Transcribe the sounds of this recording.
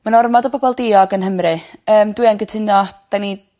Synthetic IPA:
manɔrmɔdəbʰɔbɔlˠdɪːɔɡənɦəmrɨəːmdwianɡətʰɪnjɔd̥ani

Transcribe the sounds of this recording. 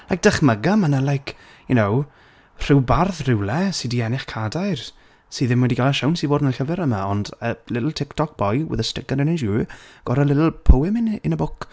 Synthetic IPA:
lajk̚d̥ɛχməɡamanalˠajkʰ | junow | r̥ɪwbarðrɪwlˠɛsidiɛnɪχkʰadajr | siːðɪmwɛdiɡalɛʃawnsiboːdənəlɬəvɛɾəmaɔndəlɪtl̩ˠtʰɪktʰɔk̚b̥ɔjwə̰ðəstɪɡanənɛnʃuɡ̥ɔɾalɪtl̩ˠpʰowɪmɪnɪnəbʊk

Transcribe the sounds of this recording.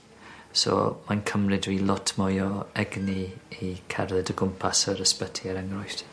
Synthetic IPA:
sɔ̰mankʰəmrɪdwiːlˠɔtʰmɔjɔɛɡniikʰarðɛdəɡʊmpʰasəɾəspətʰiəɾəŋrɔjθt

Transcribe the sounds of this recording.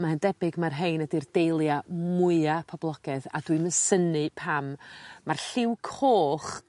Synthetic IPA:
mahəndɛbɪɡmarɦejnədird̥ejlˠjamʊɨapʰɔblˠɔɡ̥ɛða̰dwiməsənɨpʰammːarɬɪwkʰhoːχ

